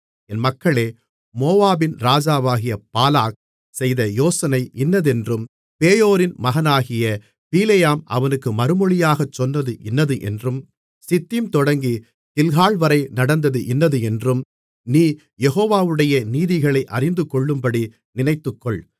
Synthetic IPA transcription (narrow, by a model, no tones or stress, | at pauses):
ɛnmɐkːɐɭeː | moːʋaːbɪnɾaːd͡ʒaːʋaːɣɪjɐpaːlaːk̚ | sɛjðɐjoːsɐnɐɪʔɪnːɐðɛndrɯm | peːjoːɾɪnmɐɣɐnaːɣɪjɐ | piːlɛjaːmɐ̰ʋɐnɯkːɯmɐɾɯmɔɭɪjaːɣɐt͡ʃːɔnːɐðɯʔɪnːɐðɯʔɛ̰ndrɯm | sɪt̪ːimt̪ɔɽɐŋɡi | t̪ɪlɣaːɭʋɐɾɐɪnɐɽɐnd̪ɐðɯʔɪnːɐðɯɛndrɯm | niː | jɛɣoːʋaːʋɯɽɐjɐniːðɪɣɐɭɐɪʔɐrɪnd̪ɯkːɔɭːɯmbɐɽi | nɪnɐɪt̪ːɯkːɔɭ